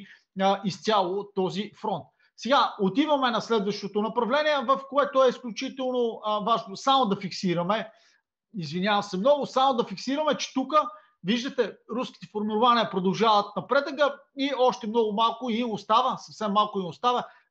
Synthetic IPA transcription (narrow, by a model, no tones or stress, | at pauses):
ist̪ʲjalˠot̪ɔzifɾɔnt̪̚ | sɛɡaot̪ivɐmɛnɐslɛd̪vəʃt̪ot̪onɐpɾɐvlɛnʲiɛvəfkoɛt̪oɛisklʲʊt͡ʃit̪ɛlˠnovaʒnosamod̪ɐfiksiɾɐmɛ | izvinjavɐsɛmnɔɡʊsamod̪ɐfiksiɾɐmɛt͡ʃɛ̥t̪ukə | viʒd̪ət̪ɛɾuskʲi̥t̪ɛfoɾmiɾʊvaniɐpɾod̪ɐlˠʒavət̪̚nɐpɾɛd̪əɡəiɔʃt̪ɛmnɔɡʊmalˠkʊimost̪avəsɐfsɛmːalˠkʊimost̪avə